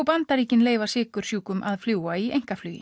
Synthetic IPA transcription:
wpant̪aɾiːcɪnleːjvasɪːkʏɾ̥sjuːkʏmʔaðfljuːwaiḛjŋ̥kaflyːjɪ̰

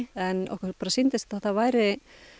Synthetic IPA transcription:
ɛnɔ̰hkpaːɾasint̪ɪsθɛt̪avaːjɾɪ

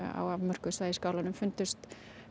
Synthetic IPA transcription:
a̰wavmœr̥kʏsvaːjɪskaːwlanʏmfʏnt̪ʏst̪

